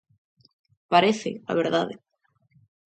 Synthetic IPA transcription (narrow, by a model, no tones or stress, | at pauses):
paɾeθḛa̰βeɾðaðḛ